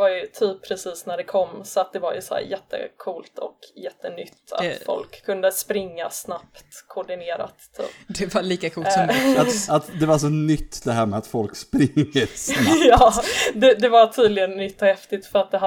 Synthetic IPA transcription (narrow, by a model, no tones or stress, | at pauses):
vaɾjɵt̪ʰyːpʰːɾɛsiːsnæɖɛkʰɔmːsɔat̪̚d̪ɛvaɾjɵsɔhæ̰ːɾjɛt̪ʰːə̰kʰuːlt̪ʰɔ̰kjɛt̪ːənʏt̪ːa̰t̪fɔ̰lkʰːɵnd̪əspɾɪŋːasnapt̪kʰɔɖɪneːɾa̰t̪ʰːy̰ːpd̪ɛvaliːkakʰuːlsɔaat̪d̪ɛvasɔnʏt̪ːd̪ɛɦæːɾmɛat̪fɔlkspɾɪŋːəsjɑːd̪ɛd̪ɛvaʈʰyːd̪lɪɡənːʏt̪ːɔhɛft̪ɪt̪fœɾat̪̚d̪ɛɦa